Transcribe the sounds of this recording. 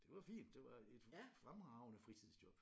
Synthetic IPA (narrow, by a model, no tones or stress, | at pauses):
d̥e̝ʋɑ̈fḭːnd̥ːe̝ʋɑ̈ed̥fʁamʁɑ̈ʊnəfʁit͡sʰið̰ˠsd̥jɒ̽b̥